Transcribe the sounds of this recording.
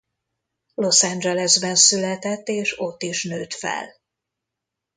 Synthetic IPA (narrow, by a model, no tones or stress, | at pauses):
lo̞sɛnd͡ʒɛlɛzbɛnsylɛt̪ɛt̪ːeːʃo̞t̪ːiʃnøːt̪fɛ̰l